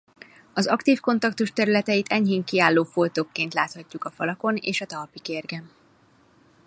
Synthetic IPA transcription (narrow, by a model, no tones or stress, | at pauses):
ɒzɒkt̪iːfko̞nt̪ɒkt̪uʃt̪ɛɾylɛt̪ɛit̪ʰɛɲɦeːŋkiaːlːoːfolt̪oːkːeːnt̪laːt̪hɒcːukɒfɒlɒko̞nḛːʃɒt̪ɒlpikerɡɛm